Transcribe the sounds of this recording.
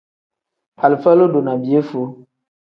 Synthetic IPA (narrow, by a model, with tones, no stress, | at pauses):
a˨lfa˦lo˦do˨na˨bi˨e˦fo˨˦